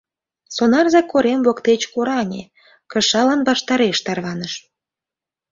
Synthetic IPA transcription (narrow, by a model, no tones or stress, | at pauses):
sonɑrzɑkːoɾemβokt̪et͡ɕkoɾɑnʲḛ | kə̆ʃɑlɑnbɑʃt̪ɑɾeʃt̪ɑrβɑnəʃ